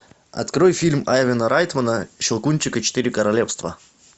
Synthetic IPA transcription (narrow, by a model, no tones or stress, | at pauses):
ɐ̰t̪kɾojfʲilʲmaɛvʲɪnəɾajt̪mənəʃɪlˠkunʲt͡ɕɪkət͡ɕɪ̥t̪ɨɾʲɪkəɾɐlʲefst̪və̰